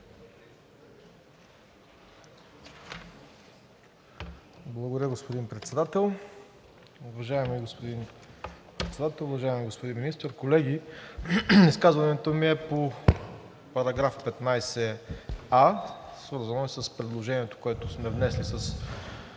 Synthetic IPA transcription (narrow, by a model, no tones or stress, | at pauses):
blˠəɡod̪ɾʲəɡospod̪inpɾɛt̪sɛd̪at̪ɛlˠ | ʊvɐʒaɛmiɡospod̪inpɾɛt̪sɛd̪at̪ɛlˠʊvɐʒaɛmiɡospod̪inminist̪əɾkolɛɡi | iskazvɐnɛt̪omiɛpo | pɐɾɐɡɾafpɛt̪najsɛ | asvɤɾzɐnoɛsəspɾɛd̪lˠoʒɛniɛt̪o̥koɛt̪ʊsmɛvnɛslisɐs